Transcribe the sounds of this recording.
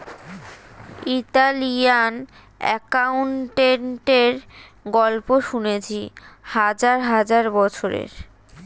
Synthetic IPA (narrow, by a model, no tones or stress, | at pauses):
it̪alijan | ɛkauɳʈeɳʈeɾɡɔlpoʃunet͡ɕʰihad͡ʑaɾɦad͡ʑaɾbɔt͡ɕʰoɾḛɾ